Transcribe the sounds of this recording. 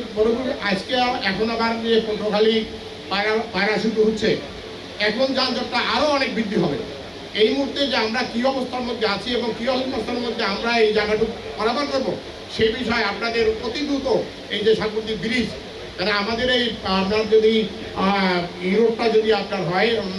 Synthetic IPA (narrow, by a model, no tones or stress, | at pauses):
boɾobuɾad͡ʑkeaɛkʰonabaɾniekoʈokʰali | baabaɾaʃud̪uɦutːʰe | ɛkond͡ʑanad͡ʑok̚ʈaʔaɾoɔnek̚bid̪ʱːiɦɔbḛ | ejmuɦuɾt̪ed͡ʑeamɾakiɔbost̪ʰaɾmod̪ʱːeat͡ɕʰieboŋkiɔsoost̪ʰaeɾmod̪ʱːeamɾaejd͡ʑaɡaʈʰuk | kɔɾabaɾd̪oɾbo | ʃebiʃɔeapnad̪eɾpɾot̪ibɾut̪o | ejd͡ʑeʃaŋpot̪ikbiɾid͡ʑ | kaneamad̪eɾejapnaɾd͡ʑod̪i | juɾop̚ʈad͡ʑod̪iap̚naɾɦɔe